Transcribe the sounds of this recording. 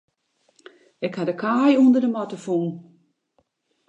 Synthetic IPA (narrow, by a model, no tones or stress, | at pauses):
ɪkhadəkʰaːjuəndərdəmɔtəfun